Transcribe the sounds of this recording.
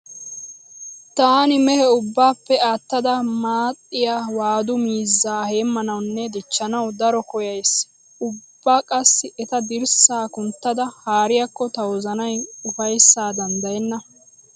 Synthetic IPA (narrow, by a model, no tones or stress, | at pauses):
t̪aːnɪmɛhɛʊbːaːpːɛaːt̪ːɐd̪ɐmaːt̪ʼːɪjaːwaːd̪ʊmiːzːaːhe̞ːmːɐnɐwnːɛd̪ɪt͡ʃːɐnɐwd̪ɐɾɔkɔjɐjs | ʔʊbːaːkʼɐsːɪʔɛt̪ɐd̪ɪɾsaːkʊnt̪ːɐd̪ɐhaːɾɪjakːɔt̪ɐwɔzɐnɐjʊfɐjsːaːd̪ɐnd̪ɐjɛnːɐ